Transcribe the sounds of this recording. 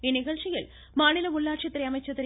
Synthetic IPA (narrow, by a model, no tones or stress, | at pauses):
iniɣɐɭʂijil | maːɳilɐmuɭːaːʈʂɐt̪ːɐɾeɐmɐt͡ɕːɐt̪ːɐɾ